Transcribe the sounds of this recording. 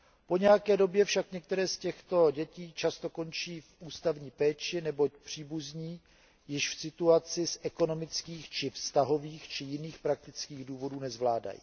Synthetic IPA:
po̞ɲɛjakɛːdo̞bjɛfʃakɲɛk̚t̪ɛɾɛːscɛxt̪o̞ɟɛciːt͡ʃast̪o̞ko̞nt͡ʃiːfʔuːst̪avɲiːpɛːt͡ʃɪnɛbo̞cpr̝̥iːbuzɲiː | jɪʃfsɪt̪uat͡sɪsʔɛko̞no̞mɪt͡skiːxt͡ʃɪfst̪aɦo̞viːxt͡ʃɪjɪniːxpɾak̚t̪ɪt͡skiːɣduːvo̞duːnɛzvlaːda̰jḭː

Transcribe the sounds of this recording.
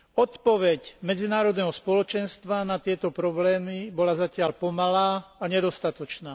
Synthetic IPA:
ɔt̪pɔʋɛcmɛd͡zinaːɾɔd̪nɛɦɔspɔlɔt͡ʃɛnst̪ʋanat̪ɪɛt̪ɔpɾɔblɛːmibɔlazacɪalpɔmalaːaɲɛd̪ɔst̪at̪ɔt͡ʃnaː

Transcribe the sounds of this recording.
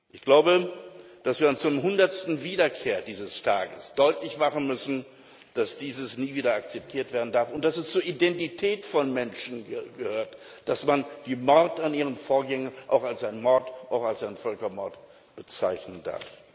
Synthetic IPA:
ʔɪçɡ̥laʊbə | d̥asv̥iːɐant͡sudemɦʊndɐtstn̩viːdɐkʰeːɐdiːzəstʰaːɡəsd̥ɔʏtlɪçmaχən̩mʏsn̩ | d̥asd̥iːzəsniːviːdɐakt͡sɛp̚tʰiːɐtv̥eːɐdn̩daɐfʊnt̚d̥asɛst͡suːɐʔidɛntitʰɛːtfɔnmɛnʃn̩ɡəhøːɐt | d̥asmand̥iːmɔʁtaniːʁənfoːɐɡɛŋənʔa̰ʊxalsʔaɪnmɔɐtʔaʊxalsaɪnfœlkɐmɔɐt | b̥ət͡saɪçnənda̰ɐf

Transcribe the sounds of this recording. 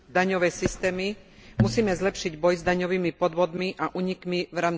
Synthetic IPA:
d̪aɲɔʋɛjsist̪ɛːmi | musiːmɛzlɛpʃiɟbɔjzd̪aɲɔʋiːmipɔd̪ʋɔd̪miʔaʔuːɲikmiʋɾaːm

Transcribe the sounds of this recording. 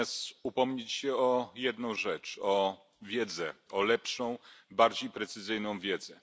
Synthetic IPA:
ast̪upɔmɲet͡ɕɕɛɔjɛd̪nɔ̃w̃ʐɛt͡ʂɔ | vʲjɛd̪zɛɔlɛpʂɔ̃w̃baɾd͡ʑejpɾɛt̪sɘzɘjnɔ̃w̃vʲjɛd̪zɛ

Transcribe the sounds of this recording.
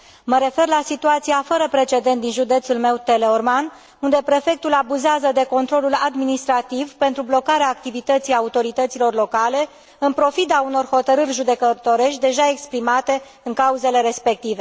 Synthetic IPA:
məɾe̞fe̞rlasit̪uat̪siafəɾəpɾe̞t͡ʃe̞d̪e̞nt̪̚d̪inʒud̪e̞t̪sulme̞wt̪e̞leorman | und̪e̞pɾe̞fe̞k̚t̪ulabuzeazəd̪e̞ko̞nt̪ɾo̞lulad̪minist̪ɾat̪ivpe̞nt̪ɾublo̞kaɾeaːk̚t̪ivit̪ət̪sijaut̪o̞ɾit̪ət̪silo̞rlo̞kale̞ | ɨnpɾo̞fid̪auno̞rho̞t̪əɾɨrʲʒud̪e̞kət̪o̞ɾe̞ʃt̪̚ʲd̪e̞ʒae̞kspɾimat̪e̞ | ɨŋkauze̞le̞ɾe̞spe̞k̚t̪ive̞

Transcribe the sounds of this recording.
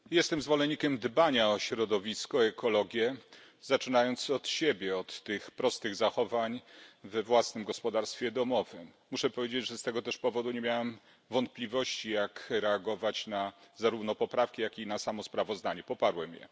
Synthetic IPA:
jɛst̪ɛmzvɔlɛɲɲːikʲɛmd̪baɲaɔɕɾɔd̪ɔvʲiskɔɛkɔlɔɡʲjɛ | zat͡ʂɘnajɔnt̪sɔt̪ɕebʲjɛɔt̪ːɘxpɾɔst̪ɘɣzaxɔvaɲvɛvwasnɘmɡɔspɔd̪aɾst̪fʲjɛd̪ɔmɔvɘmːuʂɛpɔvʲed͡ʑed͡ʑʐɛst̪ɛɡɔt̪ɛʂpɔvɔd̪uɲemʲjawɛm | vɔnt̪̚plʲivɔɕt͡ɕijakɾɛaɡɔvat͡ɕnazaɾuvnɔpɔpɾafkʲijakʲinasamɔspɾavɔzd̪aɲɛpɔpaɾwɛmjɛ̰

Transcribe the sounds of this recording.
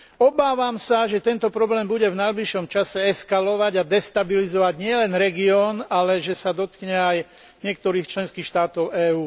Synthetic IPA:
ɔbaːʋamsaʒɛt̪ɛnt̪ɔpɾɔblɛːmbuɟɛvnajbliʃɔmt͡ʃasɛɛskalɔʋaɟad̪ɛst̪abilizɔʋaɟɲɪɛlɛnɾɛɡiɔːnalɛʒɛsad̪ɔt̪kɲɛaj | ɲɪɛk̚t̪ɔɾiːxt͡ʃlɛnskiːxʃt̪aːt̪ɔʊɛːuː

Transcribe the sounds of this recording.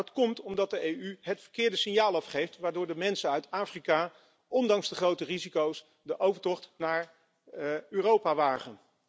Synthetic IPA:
ɑtkɔmtɔmdɑt̚dəejyɦətfə̥ɹkɪːɹdəsɪnjaːlˠɑfχejftʋaːɹdʊːɹdəmɛnsənœɥtaːfrikaː | ʔɔndɑŋzdəχrowtərizikows | dəʔowvəɹtɔχtnaːɹ | yːrowpaʋaːχən

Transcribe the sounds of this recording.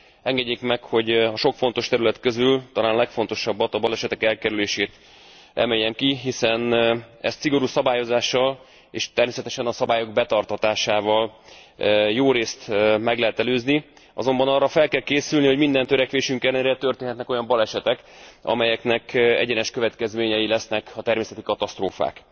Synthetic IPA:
ɛŋɡɛɟːeːkmɛkho̞ɟɒʃo̞kfo̞n̪t̪o̞ʃt̪ɛɾylɛt̪køzylt̪ɒlaːnlɛkfo̞n̪t̪o̞ʃɒbːɒt̪ɒbɒlɛʃɛt̪ɛkɛlkɛɾyleːʃeːt̪ | ɛ̰mejːɛmkiɦisɛn | ɛ̰st̪siɡo̞ɾuːsɒbaːjo̞zaːʃːɒl | eːʃt̪ɛrmeːsɛt̪ɛʃɛnɒsɒbaːjo̞ɡ̚bɛt̪ɒrt̪ɒt̪aːʃaːvɒl | joːɾeːst̪mɛɡlɛɦɛt̪ɛløːzniɒ̰zo̞mbɒnɒrːɒfɛlkɛlkeːsylniho̞ɟmind̪ɛnt̪ø̞ɾɛkʋeːʃyŋkɛlːɛnɾɛt̪ø̞rt̪eːnɦɛt̪nɛko̞jɒmbɒlɛʃɛt̪ɛkɒ̰mɛjɛknɛkɛ̰ɟɛnɛʃkø̞vɛt̪kɛzmeːɲɛjilɛsnɛkɒt̪ɛrmeːsɛt̪ikɒt̪ɒst̪roːfa̰ːk

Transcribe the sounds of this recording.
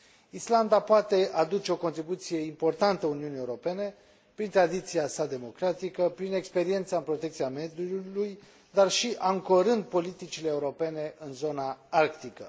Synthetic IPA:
island̪apoat̪e̞ʔad̪ut͡ʃe̞o̞ko̞nt̪ɾibut̪sije̞impo̞rt̪ant̪əuniunie̞uɾo̞pe̞ne̞ | pɾint̪ɾad̪it̪siasad̪e̞mo̞kɾat̪ikəpɾine̞kspe̞ɾie̞nt̪saɨmpɾo̞t̪e̞k̚t̪siamed̪uluj | d̪arʃiʔaŋkoɾɨnd̪̚po̞lit̪it͡ʃile̞ːuɾo̞pe̞ne̞ʔɨnzo̞naarkt̪ikə

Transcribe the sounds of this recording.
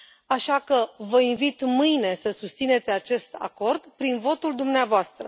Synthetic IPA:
aʃakəvəinvit̪mɨjne̞səsust̪sine̞t̪sʲat͡ʃe̞st̪a̰ko̞rd̪pɾinvo̞t̪uld̪umneavoast̪ɾə

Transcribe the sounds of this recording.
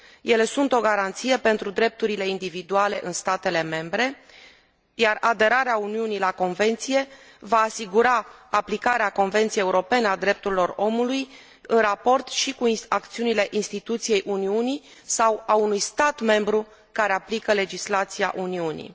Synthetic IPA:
je̞le̞sunt̪o̞ɡaɾant̪sijepe̞nt̪ɾud̪ɾe̞p̚t̪uɾile̞ind̪ivid̪uale̞ʔɨnst̪at̪e̞le̞me̞mbɾe̞ | jarad̪e̞ɾaɾeauniunilako̞nve̞nt̪sije̞ | vaːsiɡuɾaːplikaɾeako̞nve̞nt̪sijejeuɾo̞pe̞nead̪ɾe̞p̚t̪uɾilo̞ro̞muluj | ɨnrapo̞rt̪ʃikuiakt̪siunile̞ʔinst̪it̪ut̪sije̞jʔuniuni | sawaunujst̪at̪me̞mbɾu | kaɾe̞aplikəle̞d͡ʒislat̪sija̰ʔuniunḭ

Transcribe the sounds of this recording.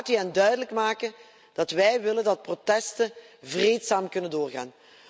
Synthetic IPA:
tyɛndœɥdələkmaːkən | d̥ɑtʋɛjʋɪləndɑt̚protɛstən | vreːtsaːmkɵnəndoːrɣa̰ːn

